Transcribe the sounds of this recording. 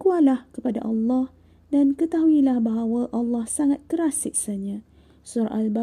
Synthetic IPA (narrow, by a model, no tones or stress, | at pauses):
kualahkəpada̰ʔɑlːɑh | dankət̪aɦuilahbaɦawaʔɑlːɑhsaŋat̪̚kəɾasɪʔ̚saɲã | sʊɾʔa̰lba